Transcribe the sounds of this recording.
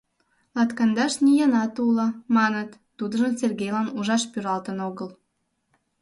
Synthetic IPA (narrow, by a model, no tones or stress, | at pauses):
lɑt̪kɑnd̪ɑʃnʲijɑnɑt̪ulə̆mɑnət̪ːud̪əʒəmserɡejlɑnuʒɑʃpyɾɑlt̪ənoɣəl